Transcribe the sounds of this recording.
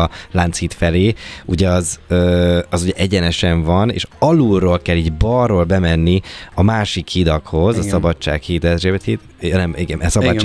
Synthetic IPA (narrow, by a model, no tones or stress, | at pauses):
laːnt̪shiːt̪fɛleːuɟɛɒzøːɒzuɟɛʔɛɟɛnɛʃɛɱvɒnḛːʃɒluroːlkɛlːiɟbɒrːoːlbɛmɛnːiɒmaːʃikhid̪ɒkho̞zɒsɒbɒt͡ʃːa̰ːkhiːd̪ɛʒebɛt̪hit̪ | nɛmiɡɛnsɒbɒt͡ʃː